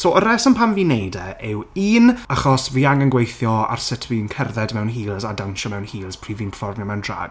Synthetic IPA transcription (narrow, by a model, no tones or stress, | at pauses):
soːəɾɛsənpʰamviːnejdɛʔɪwiːnaχɔsviːaŋənɡwejθjɔa̰rsɪtʰwiːnkʰɛrðɛdmɛwnɦiːlˠzadanʃɔmɛwnhiːlˠz̥pʰr̥iːviːnpʰə̥fɔrmjɔmɛwndra̰ːɡ̥̚